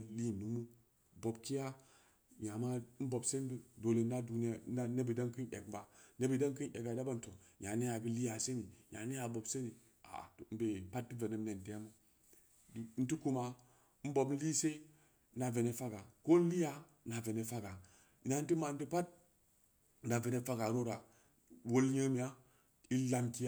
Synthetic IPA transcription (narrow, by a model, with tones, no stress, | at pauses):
li˦˨nu˨mu˦ | bo˨bki˦a˦ | ja˨ma˦n̩˦bo˨bse˦n˦ddo˨le˨n˦a˦du˨n˦˨˦a˦ne˦bi˨da˦ŋki˦nḛ˨kba˨ne˦bi˨da˦ŋki˦nʔe˨ɡa˨da˦ba˦n̩˨to˨ɲa˨ne˦ja˨bi˦li˦ja˨se˦mi˨ja̰˨ne˦ja˨bo˨bse˦ni˨ | a̰˨m̩˦be˨pa˦t̚ti˦ve˨ne˦m˦ne˨n˨de˦a˦mo˦˨ | n̩˦ti˦ku˦ma˨˦ | n̩˦bo˨bn̩˦li˦se˦ | na˨ve˨ne˨fa˦ɡa˨ko˦n̩˦li˦ja˨ | na˨ve˨ne˨fa˦ɡa˨ | na˨n̩˦ti˦ma˨n˦ti˦pa˦t̚ | da˨ve˨ne˦fa˦ɡa˨ɾo˦ɾa˨ | wo˦lɲə˦mi˨ja˦ | i˦la˦mki˦j